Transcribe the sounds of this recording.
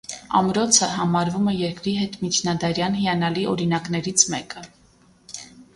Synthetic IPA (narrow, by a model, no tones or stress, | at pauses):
ɑ̰mɾɔt͡sʰəɦɑmɑɾvumɛjɛɾkɾiɦɛt̪mit͡ʃʰnɑd̪ɑɾjɑnhijɑnɑliʔɔɾinɑknɛɾit͡sʰmɛkə